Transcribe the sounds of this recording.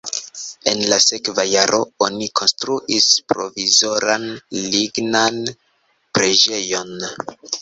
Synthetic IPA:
e̞nlase̞kvajaɾʔo̞onikʰo̞nstɾuʔispɾo̞̰vizo̞ɾanliɡnan | pɾe̞d͡ʒe̞jo̞n

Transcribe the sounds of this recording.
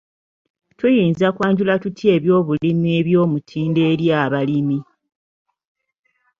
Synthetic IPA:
tujiːnzakwaːɲɟulatutʰje̞ːβjo̞ːβulimie̞βjo̞ːmutʰiːnde̞ːɾjaːβalimi

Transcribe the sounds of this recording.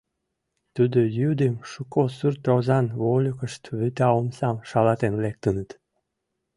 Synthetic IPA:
t̪ud̪ojyd̪emʃukosyrt̪ozɑnβolʲokəʃt̪βyt̪ɑomsɑmʃɑlɑt̪enlek̚t̪ənət̪

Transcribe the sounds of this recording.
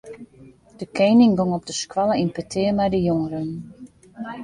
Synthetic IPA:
d̥əkʰeːnɪŋɡoŋɔp̚dəskwɔlˠəinpətʰɪːəmɛjdəjoŋəɾən

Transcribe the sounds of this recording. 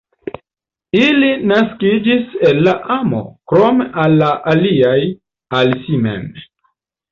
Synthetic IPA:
ilinaskid͡ʒiselːaʔamo̰kɾo̞meʔalːaʔaliaj | alsimḛm

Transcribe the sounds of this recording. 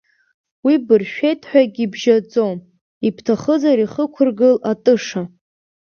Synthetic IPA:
wibɨrʃᶣejtʰʼħʷᶣaɡʲibʒad͡zom | ipʰtʰaχəzaɾiχəkʷʰʊrɡɨlatʼɨʂa

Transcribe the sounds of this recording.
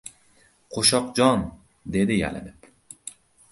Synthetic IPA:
qʰoʃɒqd͡ʒɒn | d̪e̞d̪ɪja̰lɪ̰nɪp

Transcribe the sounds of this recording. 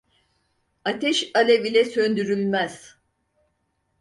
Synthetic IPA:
at̪ʰɛʃalʲevilʲɛsønd̪yɾylʲmæz̥

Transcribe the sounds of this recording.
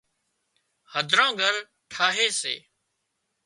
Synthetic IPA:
həd̪ʱɾãːɡʱəɾ | ʈʰaːɦeːsḛː

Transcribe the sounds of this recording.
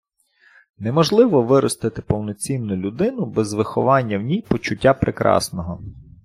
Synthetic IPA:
nɛmɔʒlˠɪʋɔʋɪɾɔst̪ɪt̪ɪpɔwnɔt͡sʲinnʊlʲʊd̪ɪnʊbɛzʋɪxɔʋɑnʲːɐwnʲijpɔt͡ʃʊtʲːapɾʔekɾʔɑ̰snɔɦɔ

